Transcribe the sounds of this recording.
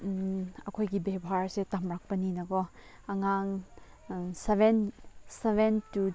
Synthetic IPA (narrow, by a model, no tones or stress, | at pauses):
ɐkʰojɡibebʱaɾsetɐmɾak̚pɐninɐkɔ | ɐŋaŋ | sebɛnsebɛntu